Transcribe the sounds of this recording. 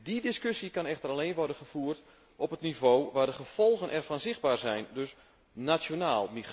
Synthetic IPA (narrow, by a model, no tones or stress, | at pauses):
didɪskøsjikɑnɛxtəraleːnʋɔrdənχəfuːərt | ʔɔpətnivoːʋaːrdəχəv̥ɔlˠɣənʔɛrfɔnzɪx̚baːrzɛjndøs | nasjonaːlˠmi